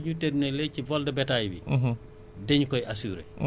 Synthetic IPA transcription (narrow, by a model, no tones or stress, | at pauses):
ɲutednelɛcivɔldɛbɛtajbḭ | deɲkɔjasuɾḛ